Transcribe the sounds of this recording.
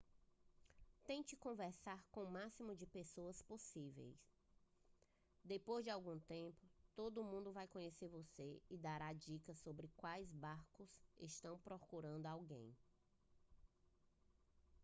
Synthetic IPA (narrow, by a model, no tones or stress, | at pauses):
t̪ẽt͡ʃɪkõvɛɾsaɾkõmasimʊd͡ʒɪpesoɐsposivḛjs | d̪epojzd͡ʒɪawɡũt̪ẽpʊt̪od̪ʊmũnd̪ʊvajkõɲeseɾvoseɪd̪aɾad͡ʒikɐsobɾɪkwajzbaɾkʊseʃt̪ɐ̃w̃pɾɔkuɾɐ̃nd̪ʊawɡḛ̃j̃